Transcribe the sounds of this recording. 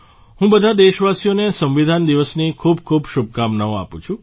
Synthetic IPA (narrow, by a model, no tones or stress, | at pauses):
ɦũbəd̪ʱad̪eʃʋasijonesə̃mʋid̪ʱand̪iʋəsnikʰubkʰubʃub̚ʱkamnaõa̰pṵ̃t͡ʃʰũ